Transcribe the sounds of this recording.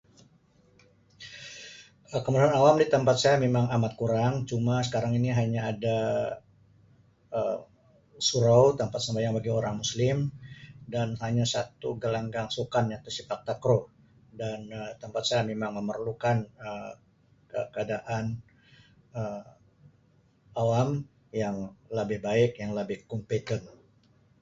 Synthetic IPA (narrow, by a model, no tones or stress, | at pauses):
ʔəkəmuduanawamdit̪əmpat̪̚sajamemaŋamat̪̚kuɾaŋt͡ʃumasə̥kaɾaŋiniɦaɲaːda | ə | suɾowt̪əmpat̪̚səmbajaŋbaɡioɾaŋmuslɪmdanɦaɲasat̪uɡəlaŋɡaŋsukanjat̪usifak̚t̪akɾo | danət̪əmpat̪̚sajamemaŋməmərlukanə | kəkəadaʔan | ə | awam | jaŋləbɪhbaɪkjaŋləbɪhkumpet̪ən